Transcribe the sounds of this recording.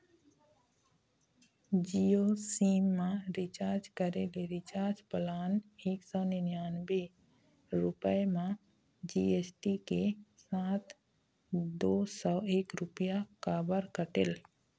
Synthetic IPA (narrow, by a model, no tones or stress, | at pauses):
d͡ʒiosiːmːãɾɪt͡ʃaːɾd͡ʒkəɾeleɾɪt͡ʃaːɾd͡ʒpəlaːneːksɔːnɪnjaːnbe | ɾʊpəemã | d͡ʒiːesʈikesaːt̪ʰ | d̪oːsɔeːkɾʊpijakaːbəɾkəʈɪl